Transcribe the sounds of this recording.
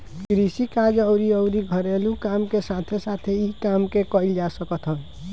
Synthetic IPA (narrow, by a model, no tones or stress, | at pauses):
kɾisikad͡ʒʌwɾiʌwɾiɡʱʌɾelukamkesat̪ʰesat̪ʰeikamkekʌild͡ʒasʌkʌt̪ʰɦʌ̃